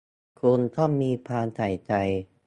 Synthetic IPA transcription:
kʰu˧nt̪ʰɔ˥˩mːiː˧pʰaː˧nt̪ʰa˨˩jt͡ɕa˧j

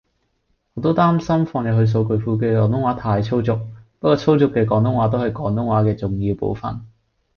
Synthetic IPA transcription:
ŋɔː˨˥t̪o˥t̪aː˥msɐ˥mfɔː˧ŋjɐ˨˩ɦɵ˧js̬o˨˧wkɵ˨˧ɥfuː˨˧k̬ɛː˧kɔː˨˧ŋt̪ʊ˥ŋwaː˨˥t̪ʰaː˧jt͡sʰo˥wt͡sʊ˨k̚pɐ˥kɔː˧˥t͡sʰo˥wt͡sʊ˨˥kːɛː˧kɔː˨˥ŋt̪ʊ˥ŋwaː˨˥t̪o˥whɐ˨jkɔː˨˥ŋt̪ʊ˥ŋwaː˨˥kɛː˧t͡sʊ˨ŋjiː˧wpo̰˨˧wfɐ̰˨n

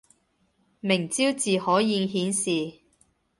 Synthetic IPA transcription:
mɪ˨˩ŋt͡siː˥wt͡siː˨hɔː˨˥jiː˧ŋɦiː˨˥nsiː˨

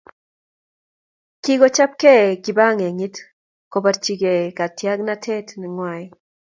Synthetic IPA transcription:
ki˦ɡɔ˦t͡ʃa˦p̚kɛ˦ki˨ba˦ŋe˨ŋi˦t | ko˨ba˨ɾt͡ʃi˨ɡe˨ka˨tja˦ɡna˦tʰɛ˦tnɪ˨ŋwa˨j

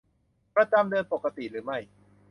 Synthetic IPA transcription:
pɾa˧t͡ɕa˧mdɤː˧npo˨˩kːa˧t̪i˨˩ɾɯː˩˦ma˥˩j

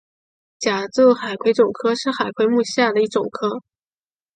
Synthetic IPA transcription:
t͡ɕja˨˩t͡su˥˩xa˨˩ɪkʰwe˧˥ɪʈ͡ʂʊ˨˩ŋkʰɤ˥ʂɻ̩˥˩xa˨˩ɪkʰwe˧˥ɪmu˥˧ɕja˥˩d̪ə˩i˥˩ʈ͡ʂʊ˨˩ŋkʰɤ˥

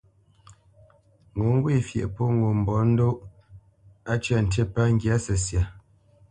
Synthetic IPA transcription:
ŋo˨ŋ̩˦ɡwe˦˨fjɛ̰˨ʔpo˦ŋo˨m̩˨bɔ˨˦n̩˦do˦ʔ | a˦t͡ʃa˦˨n̩˨te˦pa˦ŋ̩˦ɡja˨˦sə˨sja˨

